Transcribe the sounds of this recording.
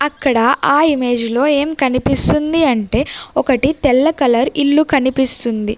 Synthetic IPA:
ɐkːɐɽɐʔaːime̞ːd͡ʒlo̞ːe̞ːmkɐnipist̪und̪iɐɳʈe̞ːɔkɐʈit̪ɛlːɐkɐlɐɾiɭːukɐnipist̪und̪i

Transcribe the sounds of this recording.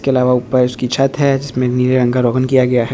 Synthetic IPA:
keɐlaːʋaʊpəɾʊskit͡ʃʰɐt̪ɦɛd͡ʒɪsmẽniːɾeɾɐ̃ŋɡaɾoːɡənkijaɡɐjaɦɛ

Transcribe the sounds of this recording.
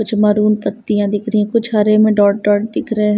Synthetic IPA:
kʊt͡ʃʰmɐɾuːnp̪ɐk̚t̪ijãd̪ɪkʰɾiɛ̃kʊt͡ʃʰɦɐɾemẽɖɔːʈ̚ɖɔːʈ̚d̪ɪkʰɾɐɦeɦ

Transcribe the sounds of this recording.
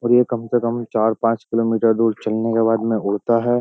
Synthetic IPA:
ɔːɾjekɐmsekəmt͡ʃaːɾpãːt͡ʃkɪloːmiːʈəɾd̪uːɾt͡ʃɐlnekebaːd̪mẽʊɽ̤t̪aɦɛː

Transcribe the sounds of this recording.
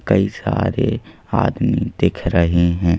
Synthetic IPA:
kɐisa̰ːɾe | aːd̪mid̪̥eːkʰɾɐɦeɦɛ̃ː

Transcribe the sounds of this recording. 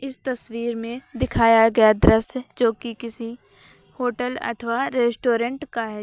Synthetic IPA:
ɪst̪ɐswiːɾmẽd̪ɪkʰaːjaɡɐjad̪ɾəsd͡ʒoːkikɪsi | hoːʈəlɐ̰ʈʰʋaɾeːsʈoːɾə̃ɳʈkaɦɛ

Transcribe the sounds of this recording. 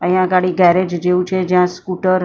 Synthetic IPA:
ə̃ɦjjãɡaɽiɡɛɾed͡ʒd͡ʒeʋũt͡ʃʰed͡ʒjãskuʈəɾ

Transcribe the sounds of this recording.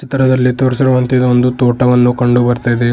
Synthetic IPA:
t͡ʃit̪ɾɐd̪ɐlːit̪oːɾsiɾɐʋɐnt̪ɐd̪ɐond̪ut̪oːʈɐʋɐnːukɐɳɖubɐɾt̪ajd̪e

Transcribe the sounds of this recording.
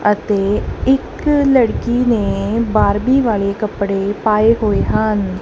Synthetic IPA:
ət̪eːɪk | ləɽkiːneːbaːɾbiːʋaːleːkəpɽeːpaːeːɦoːeːɦən

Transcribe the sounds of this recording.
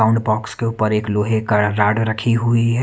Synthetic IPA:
aʊ̃ɳɖbɔːkskeuːpəɾeːkloːɦekəɾaːɽɾəkʰiɦuiɦɛ

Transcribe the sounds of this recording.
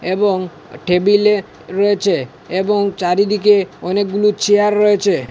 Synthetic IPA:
ebɔŋ | ʈʰebile | ɾɔet͡ʃʰeː | bɔŋt͡ʃaɾid̪ikeɔnek̚ɡulut͡ʃʰiaɾːəɦet͡ʃʰe

